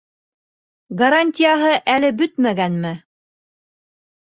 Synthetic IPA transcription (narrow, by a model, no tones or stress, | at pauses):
ɡɐɾanʲtʲɪjaɦɤʔælɘbɵt̪mæɡænmɘ